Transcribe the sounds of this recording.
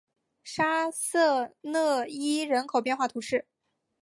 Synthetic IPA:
ʂa˥sɤ˥˧nɤ˥˩i˥ɻə˧˥nkʰo˨˩ʊpjɛ˥˧nxwa˥˩t̪ʰu˧˥ʂɻ̩˥˩

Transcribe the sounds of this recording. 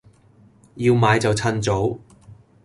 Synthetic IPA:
jiː˧wmaː˨˧jt͡sɐ˨wt͡sʰɐ˧nt͡so˨˥w

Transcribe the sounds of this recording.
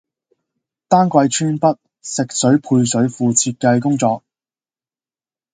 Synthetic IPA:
t̪aː˥nkʷwɐ˧jt͡ʃʰyː˥npɐ˥t̚ | sɪ˨k̚sɵ˨˥ɥpʰuː˧jsɵ˨˥ɥfuː˨t͡sʰiː˧t̚kɐ˧jk̬ʊ˥ŋt͡sɔː˧k̚

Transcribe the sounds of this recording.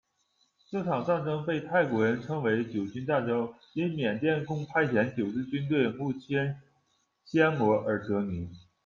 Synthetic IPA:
ʈ͡ʂɤ˥˩ʈ͡ʂʰɑ˨˩ŋt͡sa˥˩nʈ͡ʂɤ˥ŋpe˥˧ɪt̪ʰa˥˩ɪkwɔ˧˥ɻə˧˥nʈ͡ʂʰɤ˥ŋwe˧˥ɪt͡ɕjo˨˩ʊt͡ɕy˥nt̪a˥˩ʈ͡ʂo˥ʊ | i˥nmjɛ˨˩nt̪jɛ˥˧nkʊ˥˩ŋpʰa˥ɪt͡ɕʰjɛ˧˥nt͡ɕjo˨˩ʊʈ͡ʂɻ̩˥˩t͡ɕy˥nt̪̬we˥˩ɪmu˥˩t͡ɕʰjɛ˥n | ɕjɛ˥nmwɔ˧˥ʔə˞˨˩˥k̪ɤ˧˥ni˧˥

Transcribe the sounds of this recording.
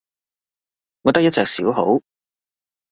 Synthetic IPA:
ŋɔː˨˧t̪ɐ˥k̚jɐ˥t̚t͡sɛː˨˧k̚sḭː˨˥wɦo˨˥w

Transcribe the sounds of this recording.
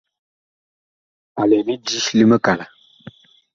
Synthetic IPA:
a˨lɛ˨mi˦di˦ʃli˦mə˦ka˨la˨

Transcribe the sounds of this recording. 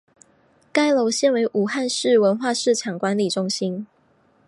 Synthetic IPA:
ka˥ɪlo˧˦ʊɕjɛ˥˩nwe˧˥ɪʔu˨˩xa˥˧nʂɻ̩˥˩wə˧˥nxwa˥˧ʂɻ̩˥˩ʈ͡ʂʰɑ˨˩ŋkwa˧˦nli˨˩ʈ͡ʂʊ˥ŋɕi˦n

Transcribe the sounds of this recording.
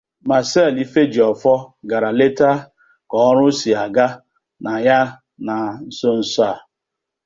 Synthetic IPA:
ma˨sɛ˦˨li˦fe˦d͡ʒi˨ɔ˨fɔ˦ɡa˨ɾa˨le˦ta˦ | kɔ˦ɾʊ˦si˨a˨ɡa˦ | na˨ja˦ | na˨n̩˦so˦n̩˨sa˦˨

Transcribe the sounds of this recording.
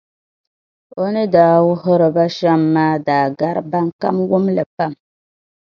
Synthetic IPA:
o˦nɨ˦daː˨wu˦ɦo˦ɾə˨ba˦ʃa˦mːaː˦daː˨ɡa˦ɾba˦ŋ˦ka̰˦mwu˦mlɨ˨pa˦˨m

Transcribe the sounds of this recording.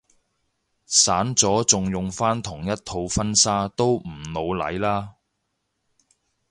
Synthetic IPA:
saː˨˥nt͡sɔː˨˥t͡sʊ˨ŋjʊ˨ŋfaː˥nt̪ʰʊ˨˩ŋjɐ˥t̚t̪ʰːo˧wfɐ˥nsaː˥t̪o˥wm̩˨˩no˨˧wlɐ̰˨˥jlaː˥

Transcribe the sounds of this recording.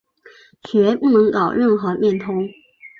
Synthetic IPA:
ɕʰy˨ɛ˥pu˥˩nɤ˧˥ŋkɑ˨˩ʊɻə˥˩nxɤ˧˥mjɛ˥˩nt̪ʰʊ˥ŋ

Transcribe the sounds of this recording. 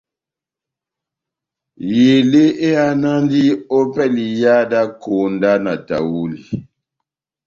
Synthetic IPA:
je˨le˦e˦a˦na˦ndi˦o˦pɛ˦li˨ja˦da˦ko˨nda˦na˨ta̰˨wu˦li˨

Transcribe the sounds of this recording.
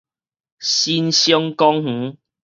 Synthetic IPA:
ɕi˦nɕjɔ˦ŋkɔ˦ŋh̩˨˦

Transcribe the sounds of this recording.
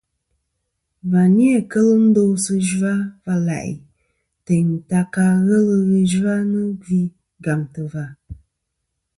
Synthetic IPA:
va˨ni˦e˦˨kə˦lɨ˦n̩˦do˦sɨ˦ʒu˦a˦va˧la̰˨ʔḭ˨ | te˨ɲ˨ta˨ka˧ɣə˦lɨ˨ɣə˨ʒu˦a˦nɨ˦ɡi˦ | ɡa˨mtɨ˨va˨

